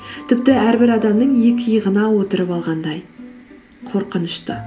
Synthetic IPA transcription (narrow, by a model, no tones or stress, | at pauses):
t̪ʰɪp̚t̪ɪæɾbɪɾɑd̪ɑmnəɴje̞kʲɪjəʁənɑwo̞t̪əɾəpɑlˠʁɑnd̪ɑj | qʰo̞ɾqənəʃt̪ə